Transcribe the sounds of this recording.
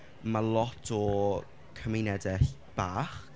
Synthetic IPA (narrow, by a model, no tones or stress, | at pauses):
malˠɔtʰɔ | kʰəmɪnɛdɛɬ | b̥aːχ